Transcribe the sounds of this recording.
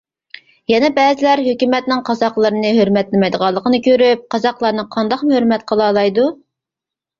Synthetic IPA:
jɛnɛbɛːzɪlæɾɦøkʲymɛt̪nɪŋqʰɑzɑqlˠəɾɨnɨɦøɾmɛt̪lɪmɛjd̪əʁɑlˠːəqʰənɨkʲʰøɾyp̚qɑzɑqlˠɑɾnɨqʰɑnd̪ɑqmɪhøɾmɛt̪̚qʰəlˠɑːlˠɑjd̪u

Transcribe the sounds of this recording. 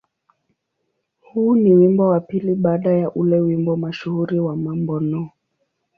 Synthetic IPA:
huːniwimbɔwapiliɓaːɗajaʔulɛwimbɔmaʃuhuɾiwamambɔnɔ

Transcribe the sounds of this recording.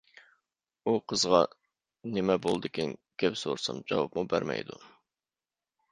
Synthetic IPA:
uqʰəzʁɑ | nɪmɛbolˠd̪ɨkʲinɡʲɛpsoɾsɑmd͡ʒɑwɑ̰pmubæɾmɛ̰jd̪u

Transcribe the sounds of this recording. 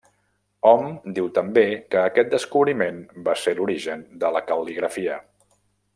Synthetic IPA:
ɔmd̪iwt̪əmbekəːkɛt̪̚d̪əskuβɾimenbaseɾuɾiʒənd̪ələkəwliɣɾəfiə

